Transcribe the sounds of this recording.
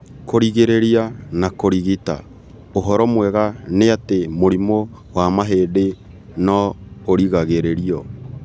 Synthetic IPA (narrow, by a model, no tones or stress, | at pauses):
koɾiɣeɾeɾianakoɾiɣita̰ | oɦɔɾɔmwɛɣaneatemoɾimo | wamaɦeːde | nɔoɾiɣaɣeɾeɾiɔ